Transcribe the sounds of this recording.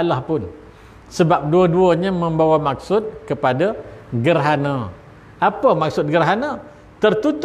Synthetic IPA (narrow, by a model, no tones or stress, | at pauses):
alahpʊn | səbap̚duəduəɲamə̃mbawamak̚sʊt̪̚kəpadaɡərɦanã | apəmak̚sʊt̪̚ɡərɦana | t̪ərt̪ut̪